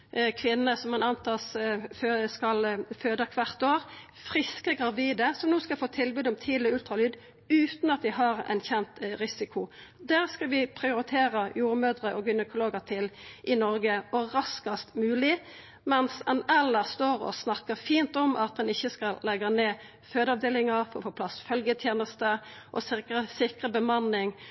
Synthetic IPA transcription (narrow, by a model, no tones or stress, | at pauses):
kʰʋɪnːəsɔmɛnɑnt̪ʰɑːs | skɑlføːd̪ɑkʰʋɑʁt̪oːʁ | fʁɪskəɡʁɑʋiːd̪əsɔmnuːskɑlfoːt̪ʰɪlbʉːd̪ɔmt̪ʰiːlɔʉlt̪ʁɑlyːd̪ | ʉːt̪nɑt̪̚d̪ɪɦɑʁɛ̰nçɛnt̪ʁɪsɪkʰʊd̪æːʁskɑlʋɪpʰʁɪʊɾɪt̪ʰeːʁɑjuːɾmøːd̪ʁəʔɔɡʏnəkʰʊloːɡəʁt̪ʰɪlʔɪnɔɾɡəɔʁɑskɑst̪mʉːlɪ | mɛnsɛnɛlːəst̪oːʁɔ̰snɑkːəʁfiːnt̪ɔmʔɑt̪̚d̪ɛnɪçːəskɑllːɛɡɑneː | føːd̪əɑʋd̪eːlɪŋɑfɔɾɔfoːpʰlɑsfœlɡət̪ʰjeːnəst̪ə | ʔɔ̰sɪəsɪkʁəbəmɑnːɪŋ